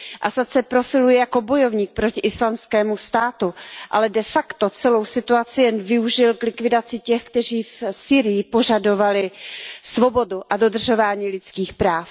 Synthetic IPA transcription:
ʔasat͡sɛpɾo̞fɪlujɛjako̞bo̞jo̞vɲiːk̚pɾo̞cɪʔɪslamskɛːmust̪aːt̪uʔa̰lɛdɛfakt̪o̞t͡sɛlo̞wsɪt̪uat͡sɪjɛnvɪuʒɪlklɪkvɪdat͡sɪcɛxkt̪ɛriːfsiːɾɪjɪpo̞ʒado̞valɪsvo̞bo̞duʔado̞d̪r̩ʒo̞vaːɲiːlɪt͡skiːxpɾaːf

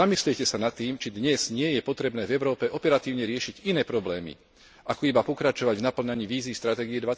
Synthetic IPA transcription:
amisliɛcɛsanat̪ːiːmt͡ʃid̪ɲɛz̥ɲɪɛjɛpɔt̪ɾɛbnɛːvɛʊɾɔːpɛʔɔpɛɾat̪iːʊɲɛɾɪɛʃiɟinɛːpɾɔblɛːmḭ | ʔakɔibapɔkɾat͡ʃɔʋaɟvnapl̩ɲaɲiːʋiːziːst̪ɾat̪ɛːɡiɛd̪ʋa

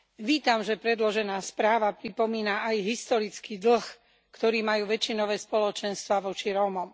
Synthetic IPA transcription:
ʋiːt̪amʒɛpɾɛd̪lɔʒɛnaːspɾaːʋapɾipɔmiːnaʔajɦist̪ɔɾit͡skiːd̪l̩x | kt̪ɔɾiːmajuːʋɛt͡ʃinɔʋɛːspɔlɔt͡ʃɛnst̪ʋaʋɔt͡ʃiɾɔːmɔm

